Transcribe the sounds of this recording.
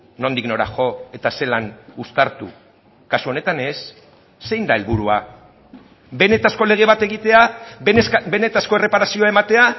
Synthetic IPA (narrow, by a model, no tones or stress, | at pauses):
no̞nd̪ikno̞ɾa̰xo̞e̞t̪ase̞lanust̪aɾt̪ṵ | kasuo̞ne̞t̪ane̞sː | e̞jnd̪ae̞lβuɾua | benet̪asko̞le̞ɣ̞e̞β̞at̪e̞ɣit̪e̞a | be̞ne̞t̪asko̞e̞re̞paɾasio̞ae̞mat̪e̞a